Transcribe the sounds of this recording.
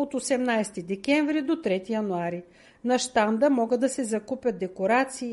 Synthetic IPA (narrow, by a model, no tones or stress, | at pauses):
ot̪osɛmnajst̪id̪ɛkʲɛɱvɾid̪ot̪ɾɛt̪ijɐnuaɾi | nɐʃt̪and̪əmɔɡəd̪ɐsɛzɐkupʲjəd̪ɛkoɾat̪siː